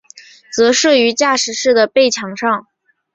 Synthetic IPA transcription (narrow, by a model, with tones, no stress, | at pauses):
t͡sɤ˧˥ʂɤ˥˩y˧˥t͡ɕja˥˩ʂɻ̩˧˥ʂɻ̩˥˩d̪ə˩pe˥˩ɪt͡ɕʰjɑ˧˥ŋʂɑ˥˩ŋ